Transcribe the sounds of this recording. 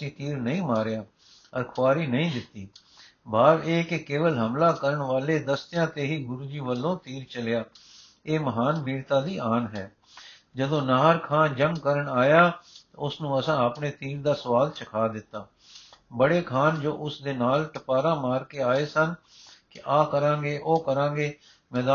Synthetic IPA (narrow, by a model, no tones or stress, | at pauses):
sĩːt̪iːɾnəĩːmaːɾjaː | əɾkʰʊʋaːɾiːnəĩːd̪ɪt̪ːiː | baːʋeːkɪkeːʋəlɦəmlaːkəɾəɳʋaːleːd̪əst̪ɪjãːt̪eːɦiːɡʊɾuːd͡ʒiːʋəlːõːt̪iːɾt͡ʃəljaː | eːməɦaːnbiːɽt̪ãːd̪iːʔaːnɦɛ̰ː | d͡ʒəd̪õːnaːɾkʰaːnd͡ʒəŋɡkəɾəɳaːjaːt̪aʊsnũːəsãːapɳeːt̪iːɾd̪aːsəʋaːlt͡ʃəkʰaːd̪ɪt̪ːaː | bəɽeːkʰaːnd͡ʒoːʔʊsd̪eːnaːlʈəpaːɾãːmaːɾkeːaːeːsən | kɪʔaːkəɾãːɡeːʔoːkəɾãːɡeː | mɛːd̪a